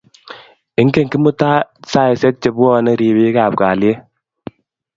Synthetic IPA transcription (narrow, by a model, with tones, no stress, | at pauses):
ɪ˦ŋke˦˨ŋki˦mu˦ta˦sa˦˨ɪ˨sɛ˦k̚t͡ʃe˨bu˦ɔ˦˨nɛ˦ɾi˨bi˦ka˨p̚ka˨lje˦